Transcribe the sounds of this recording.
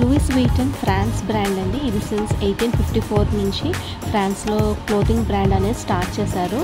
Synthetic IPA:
luiːsʋiːʈɐnpʰɾaːnsbɾaːɳɖɐɳɖiːɾisɐnsejʈiːnpʰipʈiːpʰo̞ːɾnuɲt͡ʃi | pʰɾaːnsloːkloːd̪iŋɡbɾaːɳɖɐneːsʈaːɾʈt͡ʃɛːsaːɾu

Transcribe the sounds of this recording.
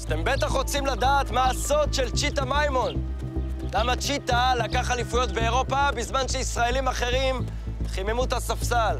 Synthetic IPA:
ast̪e̞mbe̞t̪aχʁo̞t͡simladaːt̪maːso̞d̪ʃe̞lt͡ʃit̪amajmo̞n | lamat͡ʃit̪alakaχalifujo̞t̪be̞eʁo̞pabizmanʃeisʁae̞limaχe̞ʁim | χimemutasafsal

